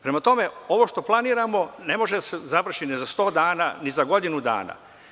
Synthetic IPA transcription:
pɾe̞mat̪o̞me̞o̞ʋo̞ʃt̪o̞plˠaniːɾamo̞ne̞mo̞ʒed̪asezaʋr̩ʃinizast̪o̞ːd̪aːna̰nizaɡo̞d̪inud̪a̰ːna̰

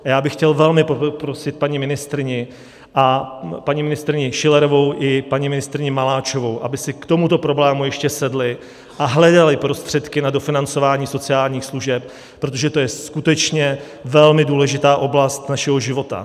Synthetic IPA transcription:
ajaːbɪxːcɛlvɛlmɪpopɾo̞sɪt̪̚paɲimɪnɪst̪ɾɪɲɪ | ʔapaɲimɪnɪst̪ɾɪɲɪʃɪlɛɾovo̞wʔɪpaɲimɪnɪst̪ɾɪɲɪmalaːt͡ʃo̞vo̞wʔa̰bɪsɪkt̪o̞mut̪o̞pɾo̞blɛːmujɛʃcɛsɛdlɪ | ʔaɦlɛdalɪpɾo̞st̪r̝̥ɛt̪kɪnado̞fɪnant͡so̞vaːɲiːso̞t͡sɪaːlɲiːxsluʒɛp̚ | pːɾo̞t̪o̞ʒɛt̪o̞jɛskut̪ɛt͡ʃɲɛ | vɛlmɪduːlɛʒɪt̪aːʔo̞blast̪naʃɛɦo̞ʒɪvo̞t̪a̰

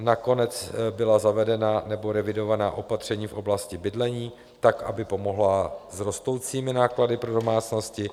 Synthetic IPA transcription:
nako̞nɛt͡sbɪlazavɛdɛnanɛbo̞ɾɛvɪdo̞vanaːʔo̞pat̪r̝̥ɛɲiːfʔo̞blascɪbɪdlɛɲiː | t̪akʔa̰bɪpo̞mo̞ɦlazɾo̞st̪o̞wt͡siːmɪnaːkladɪpɾo̞do̞maːt͡sno̞scɪ

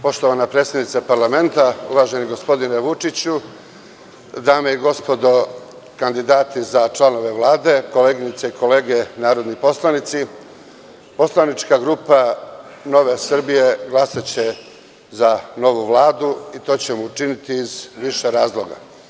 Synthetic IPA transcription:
po̞ʃt̪o̞ʋanapɾet̪sjed̪nit̪sapaɾlˠame̞nt̪aṵʋaʒe̞niɡo̞spo̞d̪ineʋut͡ʂit͡ɕu | d̪aːmeiɡo̞spo̞d̪o̞ | kand̪id̪aːt̪izat͡ʃlano̞ʋe̞ʋlˠaːd̪e̞ko̞leːɡinit̪seikʰo̞le̞ːɡe̞naːɾo̞d̪nipo̞slˠanit̪si | po̞slˠanit͡ʃkaɡɾuːpano̞ʋe̞sr̩bije̞ɡlˠasat͡ɕe̞ | zano̞ʋuʋlˠaːd̪uit̪o̞ːt͡ɕe̞muːt͡ʃinit̪iːzʋiʃe̞ɾaːzlˠo̞ɡa̰

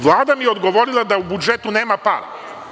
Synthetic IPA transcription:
ʋlˠaːd̪amijeo̞d̪ɡo̞ʋo̞ɾilˠad̪aubud͡ʒe̞t̪une̞ːmapa̰ɾa̰

